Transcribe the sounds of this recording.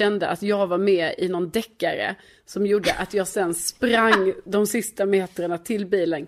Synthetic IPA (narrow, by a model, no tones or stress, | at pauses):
ɛnd̪əʔat̪jɑːɡvaɾmɛːɪ̰nɔnd̪ɛkːaɾə̰ | sɔmjuɖːəʔat̪jɑːɡsɛnːspɾaŋːd̪ɔmsɪst̪ameːt̪ɾəɳat̪ʰɪlbiːlən